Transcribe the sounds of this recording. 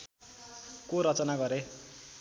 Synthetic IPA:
koɾʌt͡sʌnaɡʌɾe

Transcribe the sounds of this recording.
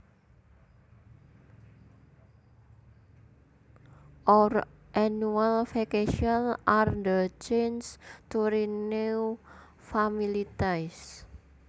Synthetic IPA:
ʔɔrʔanualfekeʃianʔard̪ət͡ʃenst̪uɾine | familit̪ajs

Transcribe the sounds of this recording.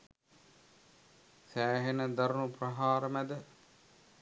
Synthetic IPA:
sæːɦenəd̪ɐɾunuprɐɦaːɾəmæd̪ə

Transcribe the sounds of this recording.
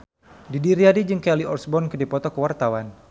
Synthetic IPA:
didiɾiadid͡ʒɨŋkɛliɔrsbɔnkədipɔt̪ɔkəwart̪awan

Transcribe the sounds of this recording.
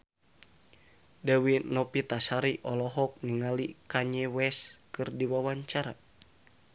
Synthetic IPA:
dawinɔpit̪asaɾiʔɔlɔɦɔk̚niŋalikaɲɛwɛskɨrdiwawaɲt͡ʃaɾa̰

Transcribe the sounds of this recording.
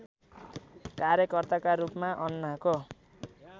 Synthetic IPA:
kaɾjʌkʌrt̪akaɾupmaʔʌnːako

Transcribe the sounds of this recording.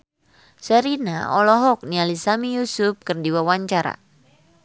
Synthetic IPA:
sɛɾina̰ɔlɔɦɔk̚nialisamijusup̚kɨrdiwawaɲt͡ʃaɾa̰

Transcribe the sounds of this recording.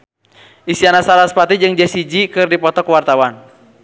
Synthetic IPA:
isianasaɾaspat̪id͡ʒɨŋd͡ʒɛsid͡ʒikɨrdipɔt̪ɔkwart̪awan

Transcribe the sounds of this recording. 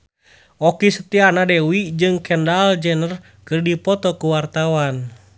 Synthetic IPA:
ʔɔkisət̪ianadɛwid͡ʒɨŋkɛndald͡ʒɛnər | kɨrdipɔt̪ɔkuwart̪awan

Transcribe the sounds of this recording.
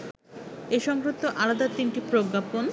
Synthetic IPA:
eʃɔŋɡɾot̪ːoʔalad̪at̪inʈipɾoɡːapon

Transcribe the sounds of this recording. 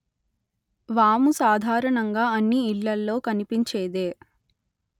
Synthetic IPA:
ʋaːmusaːd̪ʱaːɾɐɳɐŋɡaːɐnːiːlːɐlːo̞ːkɐnipiɲt͡ʃeːd̪eː

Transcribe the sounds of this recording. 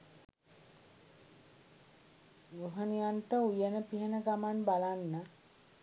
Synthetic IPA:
ɾuɦənijanʈəujənəpiɦənəɡamanbalanːə

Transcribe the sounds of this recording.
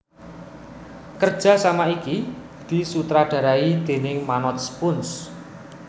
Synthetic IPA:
kərd̥ʒ̥ä̤samaiki | d̪̥i̤sut̪ɾaɖ̥a̤ɾaid̪̥e̤nɪŋmanɔt̪̚sə̥pʊns

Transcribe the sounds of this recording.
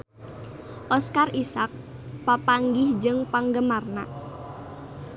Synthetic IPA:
ʔɔskarisak̚ | papaŋɡɪhd͡ʒəŋpaŋɡəmarna̰

